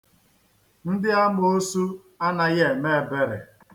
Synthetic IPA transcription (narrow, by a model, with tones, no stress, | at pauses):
n̩˦dɪ˦a˦mʊ˦o˦su˦ | a˦na˨ɣe˨me˦˨be˦ɾḛ˨